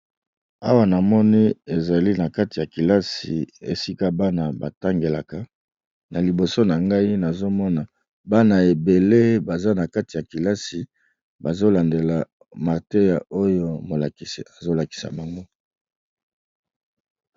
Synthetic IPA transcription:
a˦wa˦na˨mɔ˦ni˦e˨za˨li˦na˨ka˦ti˨ja˨ki˨la˦sḭ˨ḛ˨si˦ka˦ba˦na˨ba̰˨ta˦ŋɡe˨la˨ka˨ | na˨li˨bo˨so˦na˨ŋɡa˦i˦na˨zo˦mɔ˦na˨ | ba˦na˨e˨be˨le˦ba˨za˦na˨ka˦ti˨ja˨ki˨la˦si˨ | ba˨zo˦la˨nde˨la˨ | ma˨ʁte˦ja˨ʔo˦jo˦mo˨la˨ki˨si˨a˨zo˦la˨ki̥˨sa̰˨ma˨ŋɡo˦

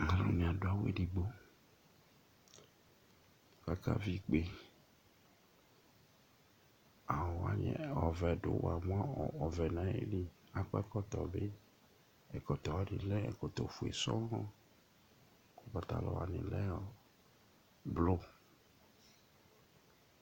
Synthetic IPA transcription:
ŋã˦lo̰˦ɲ˨a˨dʊ˦a˦wḛ˦ɖi˨ɡ͡bo˦ | ka˦ka̰˦vi˦k͡pe˦ | a˨wɔ˨wa˦ɲɛ̰˨ɔ˨vɛ˨dʊ̰˨wa̰˨m˦a˦˨ɔ˨vɛ˨nã˨˦ḛ˦li˦ | a˨kɔ˦ɛ˦kɔ˦t̪ɔ˨be˦ | ɛ˨kɔ˨t̪ɔ˨wa˦ɖi˨lɛ˦ɛ̰˨kɔ˨t̪ɔ˨fu˨ḛ˨sɔ˦ɔ˦ | ko˦pa˨t̪a̰˨lɔ̰˨wa̰˨nɪ̰̃˨lɛ˦ɔ˦ | blo˦

